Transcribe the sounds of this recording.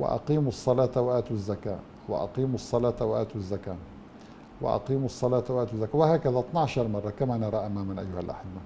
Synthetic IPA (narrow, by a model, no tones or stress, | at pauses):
wɪ̰ʔɑ̰qiːmɑsˤːɑlɑːt̪awaʔaːt̪uzːaka̰ː | wɪ̰ʔɑ̰qiːmsˤːɑlɑːt̪awaʔa̰ːt̪uzːakaː | wɪ̰ʔɑ̰qiːmɑsˤːɑlɑːt̪waʔaːt̪zːakawɪhaːkaðaʔt̪ˤnɑʕʃɑɾˤmɑrˤːɑkamaːnɑɾˤɑʔamaːmanʔa̰jːʊhalʔa̰ħɪbːa